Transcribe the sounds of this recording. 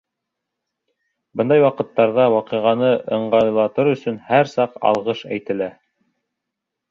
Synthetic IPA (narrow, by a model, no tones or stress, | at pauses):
bɤnd̪ɑjwɑqɤ̆t̪ːɑɾðɑwɑqɤ̆ʁɑnɤʔɤ̆ɴɢɑlˠɑt̪ɤɾɵ̆sɵnhæɾsɑqɑ̰lˠʁɤʃæ̰jt̪ɘ̆læ